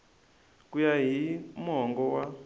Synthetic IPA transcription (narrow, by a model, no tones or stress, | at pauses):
kujaɦimɔŋɡɔwa